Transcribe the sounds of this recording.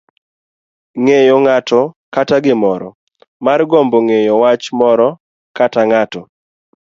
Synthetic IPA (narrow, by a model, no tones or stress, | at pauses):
ŋejoŋatɔkataɡɪmɔɾɔ̰ | marɡɔmboŋejowat͡ʃmɔɾɔ | kataŋatɔ